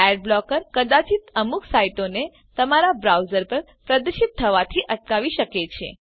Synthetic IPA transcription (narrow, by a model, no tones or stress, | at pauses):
ɛɖ̚blɔkəɾkəd̪at͡ʃit̪əmuksaiʈone | t̪əmaɾabɾawd͡ʒəɾpəɾ | pɾəd̪əʃit̪ʰːəʋat̪ʰiʔəʈkaʋiʃəket͡ʃʰḛ